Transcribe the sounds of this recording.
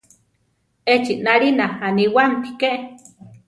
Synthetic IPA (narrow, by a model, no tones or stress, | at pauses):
et͡ʃiʔnalinaaniwampi̥keʔ